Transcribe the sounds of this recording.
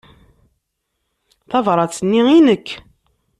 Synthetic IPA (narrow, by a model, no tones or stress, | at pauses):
θɑvɾˤɑt͡sːənːiinəkː